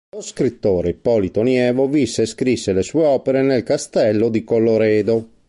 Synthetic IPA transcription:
loskɾit̪ːoːɾepɔlit̪onjɛːvovisːeskɾisːelesueɔːpeɾenelkast̪ɛlːod̪ikolːoɾɛːd̪o

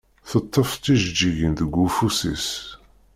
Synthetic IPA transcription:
θət̪ˤːəft͡sːiʒd͡ʒiʝənðəɡʷːufusḭs

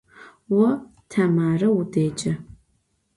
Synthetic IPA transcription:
wɔtʰɐmaːrɐwudeːt͡ʃʼɐ

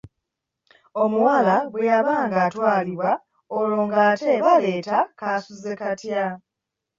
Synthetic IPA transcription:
o̞muwaːlaβwejaβaːŋɡaːtwaːliβwa | olo̞ːŋɡaːte̞βale̞ːtakasuze̞katja

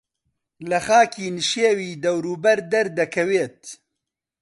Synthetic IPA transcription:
lɐxaːkʰiːnɨʃeːwiːd̪ɐwɾuːbɐɾd̪ɐɾd̪ɐkʰɐweːt̪̚

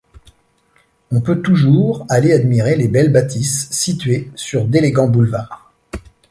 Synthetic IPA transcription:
ɔ̃pøt̪uʒuʁalead̪miʁelebɛlbat̪ʰisːit̪ɥesyʁd̪eleɡɑ̃bulvaːʁ

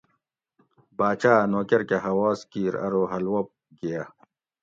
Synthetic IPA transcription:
baːt͡ɕaːnoːkɐɾkeɦɐwaːskiːɾɐ̰ɾoɦɐlwɐp̚ | ɡijaː

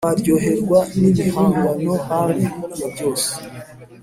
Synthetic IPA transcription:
aɾɟo̞ɦe̞ɾɡwanimihuːɡano̞haɾiujabɟo̞ːse̥

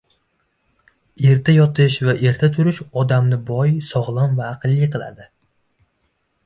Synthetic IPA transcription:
e̞ɾt̪ʰajɒt̪ʰɪʃvaʔe̞ɾt̪ʰat̪ʰʊɾɪʃɒd̪amnɪbɒjsɒʁlˠanvaːqʰɨlˠːɪqʰɨlˠa̰d̪ɪ

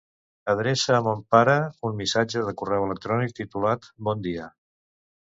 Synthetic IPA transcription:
əðɾesəːmompaɾəunmisad͡ʒəðəkurɛwələk̚t̪ɾɔnik̚t̪it̪ulat̪bɔnd̪iə

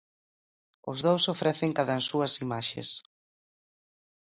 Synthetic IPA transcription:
ʊ̰zðowsofɾɛθɪŋkaðansuɐsimaʃḛs

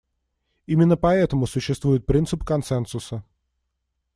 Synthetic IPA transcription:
imʲɪnːəpɐɛt̪əmʊsʊɕːɪst̪vujɪt̪̚pɾʲint̪sɨpkɐnsɛnsʊsə

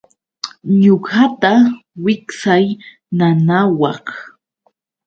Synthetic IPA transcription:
ɲoɢat̪awɪksaj | nanawɑχ

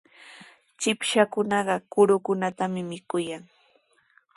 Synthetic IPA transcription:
t͡ʃɪpʃakʊnɑɢɑkʊɾʊkʊnat̪amɪmɪkʊjaŋ

